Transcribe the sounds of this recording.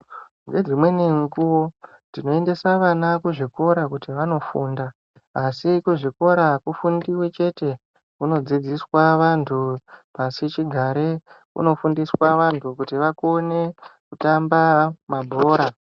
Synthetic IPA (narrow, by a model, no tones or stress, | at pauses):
ŋɡe̞d͡zimwe̞neŋɡuwo̞ | ndino̞e̞nde̞saʋanakuʐiko̞ɾakutiʋano̞fuːndaː | sikuʐiko̞ɾakufundiwet͡ʃe̞te̞ | kuno̞d͡zid͡ziswaʋantʰupasit͡ʃiɡʱaɾekṵno̞fundiswaʋantʰukutiʋako̞nekutambamabʱo̞ːɾa